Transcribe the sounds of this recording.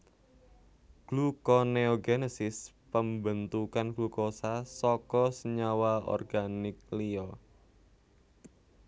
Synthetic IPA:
ɡ̥lukɔneɔɡenesɪspəmbənt̪ukanɡ̥lukɔsasɔkɔsəɲawaɔ̰rɡ̥anɪk̚liɔ

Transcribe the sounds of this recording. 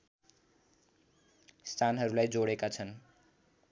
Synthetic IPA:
st̪ʰanɦʌɾulajd͡zoɽekat͡sʰʌn

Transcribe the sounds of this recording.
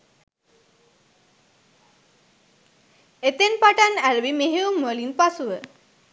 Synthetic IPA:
et̪enpaʈanæləbimeɦeuməlinpasuʋə

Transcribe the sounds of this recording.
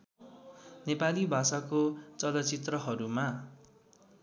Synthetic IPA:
nepalibʱasakot͡sʌlʌt͡sit̪rʌɦʌɾuma

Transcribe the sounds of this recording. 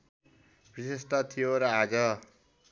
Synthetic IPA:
b̥isesʈʌt̪ʰijoɾʌad͡zʌ

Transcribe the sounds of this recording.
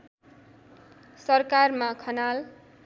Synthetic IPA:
sʌrkarmakʰʌnal

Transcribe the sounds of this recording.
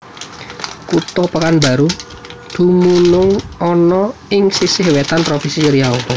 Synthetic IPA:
kut̪ɔpakanba̤ɾu | d̪̥ṳmunʊŋɔnɔɪŋsisɪhwɛt̪anp̪ɾofisit͡ʃəɾiɦao

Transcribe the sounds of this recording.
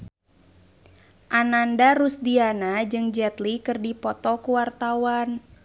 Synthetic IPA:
ʔanandaɾusdianad͡ʒɨŋd͡ʒɛt̪likɨrdipɔt̪ɔkuwart̪awan

